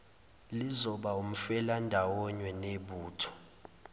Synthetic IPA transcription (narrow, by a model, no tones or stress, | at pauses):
lizɔɓaum̩fɛlandʱawɔɲwɛneɓuːtʰɔ̥